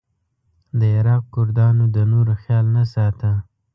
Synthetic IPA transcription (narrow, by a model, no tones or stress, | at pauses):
d̪əɪɾɑq̚kʊɾd̪ɑnod̪ənoɾxjɑlnasɑt̪ə